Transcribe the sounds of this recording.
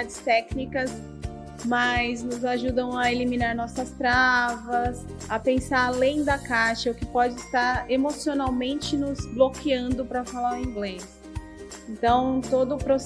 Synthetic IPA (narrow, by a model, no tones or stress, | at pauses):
ad͡ʒɪst̪ɛknikɐs | mɐjznʊzaʒud̪ɐ̃w̃ɐelimĩnaɾnɔsɐst̪ɾavɐs | ɐpẽsaɾalẽj̃d̪ɐkaʃɐʊkɪpɔd͡ʒɪst̪aɾemosionawmẽnt͡ʃɪnʊzblokiɐ̃nd̪ʊpɾɐfalaɾĩŋɡles | ẽnt̪ɐ̃w̃t̪od̪ʊːpɾos